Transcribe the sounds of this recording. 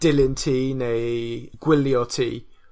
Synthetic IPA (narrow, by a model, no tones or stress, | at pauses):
d̥ɪlɪntʰiːnejɡ̥wɪljɔtʰḭː